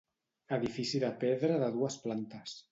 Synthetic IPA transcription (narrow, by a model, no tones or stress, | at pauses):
əðifisiðəpeðɾəðəðuəsplant̪əs